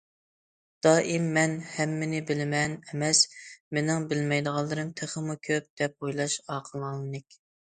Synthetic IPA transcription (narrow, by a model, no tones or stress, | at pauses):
d̪̥ɑːʔimːɛnhɛmːɪnɪbɪlɪmɛnɛmɛsmenɪŋbɪlmɛjd̪əʁɑlˠːɨɾɨmt̪ʰeχəmukʲʰøp̚d̪̥ɛp̚ojlˠɑʃɑːqʰəlˠɑlˠɨnɪkʲ